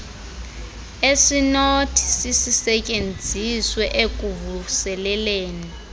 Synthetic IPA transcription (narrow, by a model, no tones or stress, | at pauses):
eʂinotʰi̥sisisɛcʼend͡zʱiswɛʔek̬ʼuvusɛlɛleːni